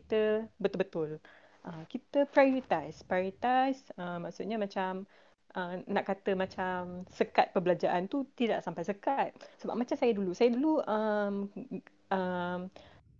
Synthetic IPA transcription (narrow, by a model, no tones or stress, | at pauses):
kit̪əbət̪ʊlbət̪ʊl | ʔəmkit̪əpɾajɔɾit̪ajspɾaoɾit̪ajsəmːaksut̪̚ɲamãt͡ʃam | ʔənaʔkat̪əmãt͡ʃamsəkat̪̚pəbəlad͡ʒaʔant̪ut̪ida̰ʔsampajsəkat̪̚səba̰p̚mat͡ʃamsajadulusajaduluəm | ʔəm